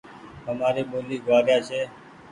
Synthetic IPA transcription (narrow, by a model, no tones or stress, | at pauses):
ɦəmaːɾeːɓoːliːɡʋaːɾjaːt͡ʃʰeː